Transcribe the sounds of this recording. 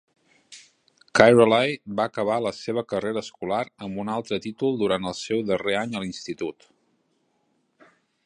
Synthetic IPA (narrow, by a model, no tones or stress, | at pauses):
kajɾolajbaːkəβ̞aləseβ̞əkəreɾəskulaɾəmbunalˠt̪ɾət̪it̪ulˠd̪uɾant̪əlˠsɛwðəreaɲəlinst̪it̪ut̪